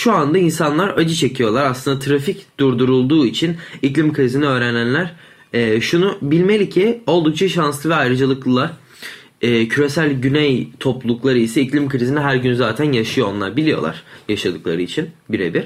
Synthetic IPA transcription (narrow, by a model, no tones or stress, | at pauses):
ʃuand̪ainsanlˠaɾad͡ʒɯt͡ʃʰe̞cʰijo̞lˠaɾaslˠɯnd̪at̪ʰɾaficd̪̥uɾd̪uɾulˠd̪uːit͡ʃʰiniclʲimkʰɾiziniøːɾɛnænlʲæɾ̥ | ɛːʃunubilʲme̞lʲicʰio̞lˠd̪uk̚t͡ʃʰaʃanslˠɯvɛajɾɯd͡ʒalˠɯklˠɯlˠaɾ | ɛːcʰyɾe̞sælʲɟynejt̪ʰo̞pllˠuklˠaɾɯisɛiclʲimkʰɯɾiziniɦæɾɟynzaːt̪ʰænjaʃɯjoo̞nlˠa̰ɾbilʲijo̞lˠa̰ɾ̥jaʃad̪ɯklˠa̰ɾɯit͡ʃʰinbiɾḛbiɾ̥